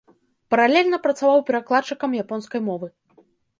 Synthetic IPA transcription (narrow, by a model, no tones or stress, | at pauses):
pɐɾalʲɛlʲnɐpɾɐt̪savawpʲɛɾaklˠat͡ʂɨkɐmjapɔnskɐjmɔvɨ